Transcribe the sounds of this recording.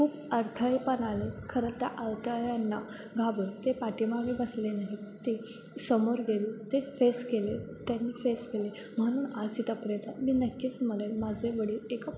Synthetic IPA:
kʰuːp | əɾt̪ʰəipənalekʰəɾət̪ːjaʔalt̪ajanːa | ɡʱabəɾt̪epaʈimaʋebəslenaɦit̪e | səmoɾɡelet̪efeskelet̪janːifeskele | m̤əɽ̃uːnad͡zit̪əpɾet̪amiːnəkːiːt͡sm̤əlelmad͡zʱeʋəɽiːleka

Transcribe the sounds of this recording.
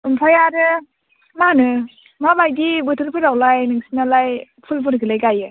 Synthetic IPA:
ɯmpʰajaɾɯ | manɯ | mabajdibɯtʰɯɾpʰɯɾawlajnɯŋsinalaj | pʰulpʰɯɾkʰɯlajɡajɯ

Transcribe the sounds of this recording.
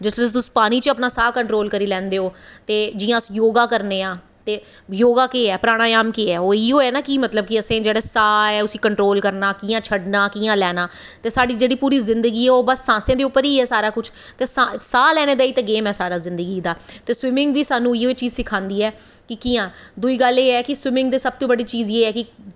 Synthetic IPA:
d͡ʒɪsɾəst̪ʊspaːɽ̃iːt͡ʃəpnaːsaːkəɳʈɾoːlkəɾiːlɛ̃ːnd̪eːoːt̪eːd͡ʒɪjãːsjoːɡãːkəɾneːãː | t̪eː | joːɡaːkeːɛːpəɾaːɽ̃ãːjaːmkeːɛːoːiːoːɛːnaːkiːmət̪ləb̚kɪəsẽːd͡ʒeːɽɛːsaːɛːʊsiːkəɳʈɾoːlkəɾnaːkiːãːt͡ʃʰəɖnaːkiːãːlɛːnaː | t̪eːsaːɖiːd͡ʒeːɽiːpuːɾiːzɪnd̪əɡiːɛːoːbəsːãːsẽãːd̪eːʊpːəɾiːɛːsaːɾaːkʊt͡ʃʰt̪eːsasaːlɛːneːd̪aːiːt̪ẽːɡeːmɛːsaːɾaːzɪnd̪əɡiːd̪aːt̪eːswɪmɪŋɡʋiːsaːnũːioːet͡ʃiːzsɪkʰãːnd̪iːɛː | kɪkiːãː | d̪uiːɡəleːɛːkɪswɪmɪ̃ŋɡ̚d̪eːsəb̚t̪õːbəɽiːt͡ʃiːzeːɛːkɪ

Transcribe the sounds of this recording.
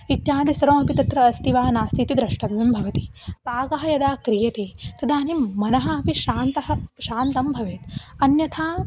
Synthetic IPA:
it̪jaːnd̪isɐɾɐmɐpit̪ɐt̪ɾɐːst̪iʋaːnaːst̪ʰit̪id̪ɾɐʂʈɐʋʋimbʱɐʋɐt̪i̥paːɡɐɦɐjɐd̪aːkɾijɐt̪eːt̪ɐd̪ʱaːnimːɐnɐɦɐɐpiʃaːnt̪ɐɦɐʃaːnt̪ɐmbʱɐʋeːt̪ɐnjɐt̪ʰaː

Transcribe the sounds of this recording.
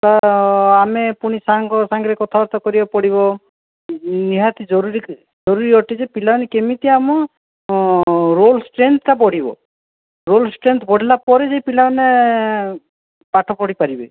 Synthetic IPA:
t̪aamepuɽ̃isaŋkɔsaŋɡɾekɔt̪ʰaɔɾt̪ɔkɔɾibapɔɽiβɔ | niɦat̪id͡ʒɔɾuɾi | d͡ʒɔɾuɾiɔʈid͡ʒepilanekemit̪iamɔ | ɾolsʈɾent̪ʰtapɔɽ̤ibɔ̰ | ɾolsʈɾent̪ʰɔbɔɽ̤ilapɔɾed͡ʒejpilane | paʈʰɔpɔɽipaɾibḛ

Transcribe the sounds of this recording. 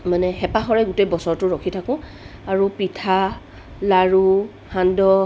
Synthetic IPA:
manɛxɛpaxɔɹɛɡutejbɔsɔɹtʊɹɔkʰitʰakʊ̃ | aɹupitʰa | laɹu | handɔ

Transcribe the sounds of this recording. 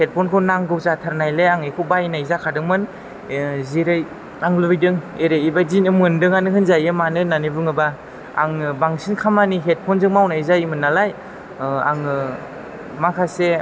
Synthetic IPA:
het̚pʰɔnkʰɯwnaŋɡɯwzatʰaɾnajleaŋikʰuwbajnajzakʰadɯŋmɯn | ziɾɯj | aŋlujdɯŋeɾɯjibazinɯmɯndɯŋanɯɦɯnzajɯmanɯnanibɯŋɯba̰ː | ŋɯbaŋsinkʰamaniɦet̚pʰɔnzɯŋmawnaizajimɯnːalaj | a̰ŋɯ | makʰase

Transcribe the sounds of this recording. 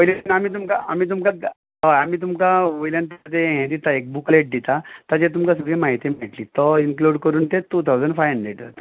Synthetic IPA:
ojlenam̤iːt̪̬umkaam̤iːt̪̬umka | əamiːt̪̬umkaʋojljant̪at̪eɦɛ̃d̪it̪aek̚bukleʈ̚d̪it̪at̪at͡ɕet̪̬umkasuɡɭemaɦit̪imeʈliːt̪ɔinkluɽkəɾuːnt̪etut̪ʰawd͡zəɳɖfajəɳɖeʈd͡zat̪

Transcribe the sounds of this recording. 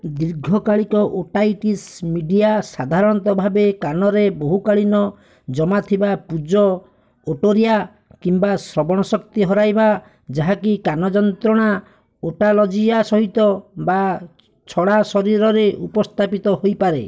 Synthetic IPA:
d̪iɾɡʱɔkaɭikɔʔoʈajʈismiɖijasad̪ʱaɾɔɽ̃ɔt̪ɔbʱabekanɔɾeboɦukaɭinɔ | d͡ʒɔmat̪ʰibapud͡ʒɔ | oʈoɾija | kimbasɾɔbɔɽ̃ɔsɔkt̪iɦɔɾajba | d͡ʒaɦakikanɔd͡ʒɔnt̪ɾɔɽ̃a | oʈalɔd͡ʒiasɔɦit̪ɔba | t͡ʃʰɔɽasɔɾiɾɔɾeʔupɔst̪ʰapit̪ɔɦojpaɾḛ

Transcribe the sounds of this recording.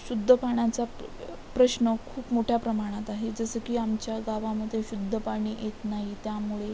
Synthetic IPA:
ɕud̪ʱːəpaɳ̃at͡sa | pɾəɕnəkʰuːpmoʈʰjapɾəmaɽ̃at̪aɦed͡zəsəːkiːamt͡ɕjaɡaʋaməd̪ʱjeɕud̪ʱːəpaɳ̃iːjet̪naɦit̪jamuɭe

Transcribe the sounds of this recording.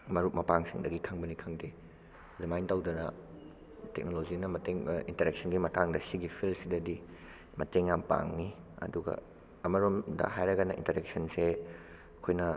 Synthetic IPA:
mɐɾut̚mɐpaŋsiŋdɐɡikʰɐŋbɐnikʰɐŋde | ɐdumajntawdɐnɐ | tek̚nolozinɐmɐteŋintɐɾek̚sʰɐnɡimɐtʰaŋdɐsiɡipʰilsidɐdi | mɐteŋjampa̰ŋni | ɐ̰duɡɐ̰ | ɐmɐɾomdɐ̰hajɾɐɡɐnɐʔḭntɐɾek̚sɐnse | ɐkʰojnɐ

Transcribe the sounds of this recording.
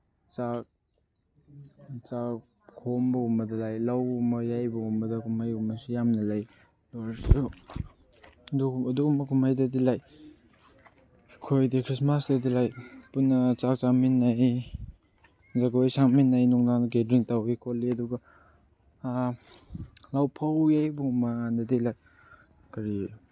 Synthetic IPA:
t͡ʃak̚ | t͡ʃa | kʰombɐumbɐdɐlajlawumɐjajbɐumbɐdɐkʰumhajumɐsujamnɐlaj | doɾsu | duɐdukumɐkʰumhajdɐdilaj | kʰojdikʰɾismasdɐdilajpunːɐt͡ʃak̚t͡ʃaminːaj | zaɡojsaŋminːajnuŋnanɡedɾiŋtawikʰolːiɐduɡɐ | lawpʰawjajbuŋumɐandɐdilaj | kɐɾi

